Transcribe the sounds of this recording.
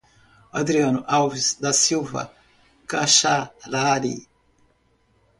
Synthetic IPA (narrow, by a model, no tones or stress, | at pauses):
ad̪ɾianuʔawvisd̪asiwvɐ̰ | kaʃalaɾḭ